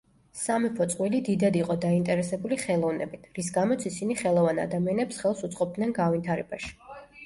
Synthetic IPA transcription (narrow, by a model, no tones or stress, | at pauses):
samipʰɔt̪sʼqʼwilid̪id̪ad̪iqʼɔd̪aint̪ʼɛɾɛsɛbuliχɛlˠɔvnɛ̰bit̪ʰɾis̬ɡamɔt̪sʰisiniχɛlˠɔvana̰d̪amianɛpsχɛlˠsut̪sʼqʼɔp̚d̪nɛnɡavint̪ʰaɾɛbaʃi̥